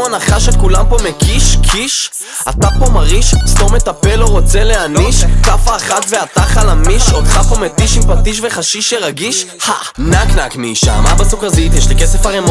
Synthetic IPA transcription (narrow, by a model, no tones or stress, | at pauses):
anaχaʃetkulampo̞mekiʃkʰiʃ | at̪apo̞maʁiʃstome̞t̪ape̞loʁo̞t͡se̞le̞aniʃkafaːχat̪ve̞at̪aχalamiʃot̪χapo̞met̪iʃimpat̪iʃ̬ve̞χaʃiʃeʁaɡiʃhanaknakmiːʃa̰mabasukazit̪jeʃlikese̞faʁemo